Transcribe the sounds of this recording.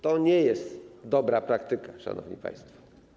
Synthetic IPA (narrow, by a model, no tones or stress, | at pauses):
t̪ɔɲɛjɛst̪d̪ɔbɾapɾakt̪ɘkaʂa̰nɔ̰vɲḭpa̰j̃st̪fɔ̥